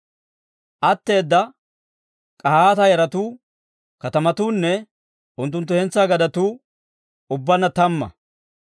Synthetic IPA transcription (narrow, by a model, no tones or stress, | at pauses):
ʔɐt̪ːe̞ːd̪ːɐ | kʼɐhaːt̪ɐjɐɾɐt̪uː | kɐt̪ɐmɐt̪uːnːɛ | ʔʊnt̪ːʊnt̪̬ːʊhɛnt͡sːaɡɐd̪ɐt̪uː | ʊbːɐnːɐt̪ɐmːɐ̰